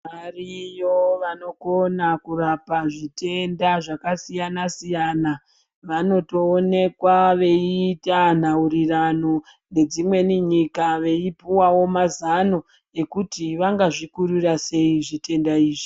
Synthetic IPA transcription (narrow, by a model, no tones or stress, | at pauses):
marijo̞ʋano̞konakurapaʐite̞ndaʐakasijanasijana | ʋano̞to̞ːne̞kwaʋe̞iːtan̤aurirano | ne̞d͡zimwe̞niɲikaʋe̞ipiwawo̞mazano̞ | e̞kutiʋaŋɡaʐikuɾirase̞iʐite̞ndaiːʐi